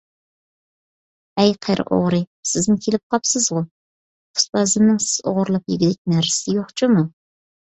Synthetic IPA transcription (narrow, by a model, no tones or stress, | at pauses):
ɛjqʰeɾʔɨ̰ʔo̰ʁɾɨsɪznɪkʲʰelɪp̚qʰɑpsɨzʁʊ | ʊ̥spɑzɨnnɨŋsɪ̥z̥o̰ʁʊɾlˠɑpjɪɡʲid̪ɛk̚ʲnæɾsɪsɪjoχt͡ʃʰumu